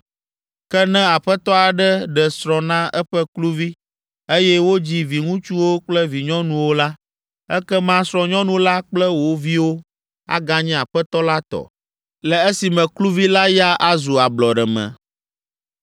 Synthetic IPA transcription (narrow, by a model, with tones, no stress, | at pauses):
kɛ˦nɛ̃˦a˨ɸɛ˦t̪ɔ˦a˨ɖɛ˦ɖɛ˨sɾɔ̃˨nã˦ɛ˦ɸɛ˦klu˦vi˦ | e˦jɛ˦wo˦d͡ʑi˦vi˨ŋũ˦t͡ʃu˦wo˦k͡plɛ˦vi˨ɲɔ̃˦nũ˨wo˦la˦ | ɛ˦kɛ˦mã˦sɾɔ̃˦ɲɔ̃˦nũ˨la˦k͡plɛ˦wo˨vi˦wo˦ | a̰˦ɡa˦ɲɛ̃˦a˨ɸɛ˦t̪ɔ˦la˦t̪ɔ̰˨ | lɛ˨e˦si˨mɛ̃˨klu˦vi˦la˦ja˦ʔa˦zu˨a˨blɔ˨ɖɛ˨mɛ̰̃˨